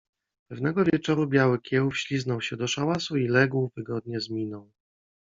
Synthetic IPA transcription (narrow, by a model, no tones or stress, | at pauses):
pɛvn̪ɛɡɔvʲjɛt͡ʂɔɾubʲjawɘkʲjɛwufɕlʲiznɔwɕɛd̪ɔʂawasuilɛɡwvɘɡɔd̪̚ɲɛzmʲinɔ̃w̃